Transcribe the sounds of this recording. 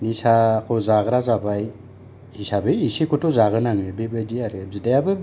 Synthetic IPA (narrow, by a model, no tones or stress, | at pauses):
nisakʰɔzaɡɯɾazabaj | hisabɯisikutuzaɣɯnaŋɯbebɯdiaɾɯzidajabɯ